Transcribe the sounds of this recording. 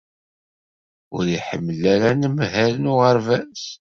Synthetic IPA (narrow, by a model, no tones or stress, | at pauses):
ʊɾiħəmːəlːæɾænəmɦælənuʁəɾvæs